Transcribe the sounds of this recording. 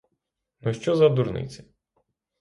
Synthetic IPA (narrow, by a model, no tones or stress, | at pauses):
nɔʃt͡ʃɔzɐd̪uɾnɪ̰t͡sʲɪ̥